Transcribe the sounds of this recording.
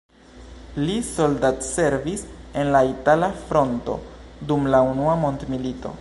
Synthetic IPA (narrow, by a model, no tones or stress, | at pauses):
liso̞ldatse̞ɾvise̞nlaitalafɾo̞nto̞̰dumlaunuamo̞ndmilito̞̰